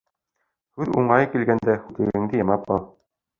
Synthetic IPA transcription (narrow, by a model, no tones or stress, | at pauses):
hʉðuɴɑjɤkilɡænd̪æhʉk̪ɘ̆ɡɘ̆ŋd̪ɘjɑmɑpɑlˠ